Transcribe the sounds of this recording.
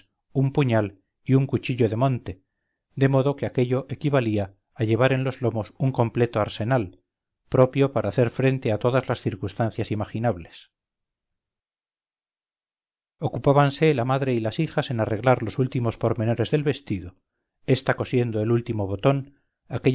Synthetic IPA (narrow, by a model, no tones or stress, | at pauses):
umpuɲal | iuŋkut͡ʃiʎo̞ðe̞mõ̞nt̪e̞ | d̪e̞mo̞ðo̞ke̞ake̞ʎo̞ʔekiβaliaː | ʎe̞β̞aɾe̞nlo̞zlo̞mo̞suŋko̞mple̞t̪o̞aɾse̞nal | pɾo̞pjo̞paɾaːθeɾfɾe̞nt̪e̞at̪o̞ðazlasθiɾkust̪anθjasimaxinaβle̞s | o̞kupaβanse̞lamaðɾe̞ilasixase̞nare̞ɣlaɾlo̞sult̪imo̞spo̞ɾme̞no̞ɾe̞zðe̞lβe̞st̪iðo | e̞st̪ako̞sje̞nd̪oelult̪imo̞β̞o̞t̪o̞n | ake